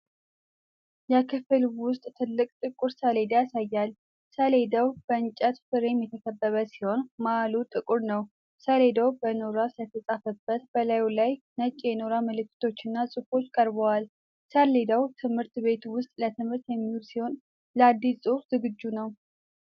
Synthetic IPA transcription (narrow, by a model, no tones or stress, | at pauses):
jakʰəfɨlwʊst̪ʼt̪ʰɨlːɨkʼt̪ʼɨkʼʊɾsəle̞d̪jasajːal | səle̞d̪əwb̥əɨnt͡ʃʼət̪fɨɾemjɛt̪ʰəkʰəbːəβəsi̥ho̞nmaalut̪ʼɨkʼuɾnəw | səle̞d̪əwbənoɾaslət̪ʰəsʼafəbːət̪bəlajlaj | nət͡ʃʼːjɛnoɾaməlɨkʰːɨ̥t̪ʰo̞t͡ʃːɨnːasʼɨfo̞t͡ʃːkʼəɾbəwal | səle̞d̪əwt̪ʰɨmhɨɾt̪βe̞t̪wʊst̪ʼlət̪ʰɨmhɨɾt̪jɛmːihulsiho̞n | ləad̪ːissʼufz̥ɨɡɨd͡ʒːunəw